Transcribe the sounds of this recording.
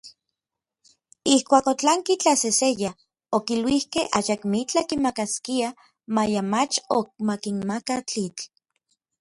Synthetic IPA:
ihkʷaːkot͡ɬaŋkit͡ɬaseseja | okilwihkeʔajakmit͡ɬakimakaskia | majamat͡ʃok̚makinmakat͡ɬit͡ɬ

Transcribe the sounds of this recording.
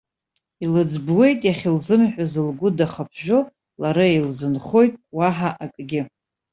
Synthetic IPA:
ilɨd͡zbwe̞jtʼjaχʲɪlzɨmħʷᶣazɨlɡʷʊdaχapʰʒᶣo | laɾaelzɨnχo̞jtʼwaħaʔakʼɡʲɪ

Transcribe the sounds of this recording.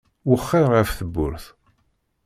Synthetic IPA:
wəχːɪɾʁəfθəbːʊ̰ɾθ

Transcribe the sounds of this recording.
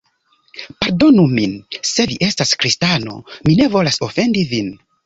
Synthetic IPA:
paɾdo̞numinse̞viʔe̞staskɾistano̞̰mine̞vo̞laso̞fe̞ndivin

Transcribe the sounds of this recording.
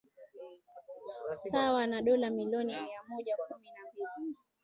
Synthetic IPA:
sawanaɗɔlamiliɔniajamɔʄakuminabilini

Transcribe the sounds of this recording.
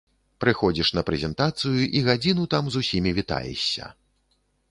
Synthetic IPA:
pɾɨxɔd͡zʲiʂnɐpɾɛzʲɛnt̪at̪sɨjuʔiɣad͡zʲin̪ut̪amzusʲimʲivʲit̪a̰jɛ̰ɕʲːɐ̰

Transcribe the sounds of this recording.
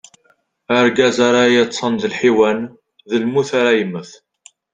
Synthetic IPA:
əɾɡæzaɾajæt͡sːˤənðəlħiwæn | ðəlmuθaɾajəmːəθ

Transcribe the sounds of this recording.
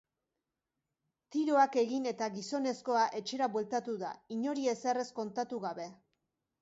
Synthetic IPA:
t̪iɾo̞ake̞ɣine̞t̪aɣiso̞ne̞sko̞aʔe̞t͡ʃe̞ɾaβwe̞lt̪at̪uða̰iɲo̞ɾie̞sere̞sko̞nt̪at̪uɣaβe̞

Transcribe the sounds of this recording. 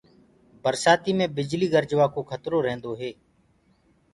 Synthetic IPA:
bəɾsaːt̪iːmẽːbɪd͡ʒliːɡəɾd͡ʒʋaːkoːkʰət̪ɾoːɾẽːnd̪oːɦeː

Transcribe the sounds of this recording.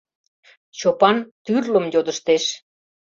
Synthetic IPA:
t͡ɕopɑnt̪yrləmjod̪ə̆ʃt̪eʃ

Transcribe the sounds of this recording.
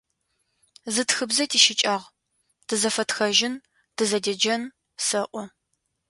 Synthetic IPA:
zɨtxɨbzɐtʰiːʃɪt͡ʃʼaːʁ | d̥ʰɨzɐfɐtxɐʒɪn | d̥ɨzɐdɐd͡ʒɐn | sɐʔʷɔ

